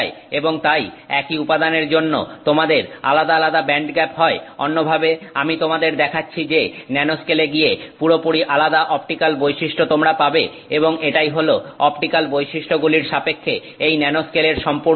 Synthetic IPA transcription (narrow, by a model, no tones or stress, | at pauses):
eeboŋt̪ajɛkiupad̪aneɾd͡ʑonːot̪omad̪eɾa̰lad̪alad̪abɛɳɖɡɛpɦɔeo̰nːobʱabeamit̪omad̪eɾd̪ɛkʰatːɕʰid͡ʑenɛnoskeleɡijepuɾopuɽiʔalad̪aʔɔp̚ʈikalbojʃiʃʈʰot̪omɾapabe | eboŋeʈajɦoloɔpʈikalbojʃiʃʈʰoɡuliɾʃapekʰːe | ejnɛnoskeleɾʃɔmpo